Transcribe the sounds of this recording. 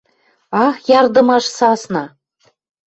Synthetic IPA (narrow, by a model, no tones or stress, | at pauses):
ɑxjɑrd̪ɤ̆mɑʃsɑsnɑ